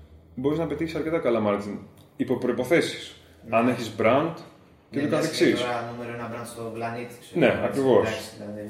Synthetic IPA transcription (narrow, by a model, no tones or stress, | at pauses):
bo̞ɾiznɐpe̞t̪içisɐɾce̞t̪ɐkɐlɐmɐɾtin | ipo̞pɾo̞ipo̞θe̞si̥s | ɐneçizbɾɐnd̪ | cet̪okɐθeksisnumeɾoenɐbɾɐnd̪st̪oplɐnit̪isneɐ̰kɾivo̞ss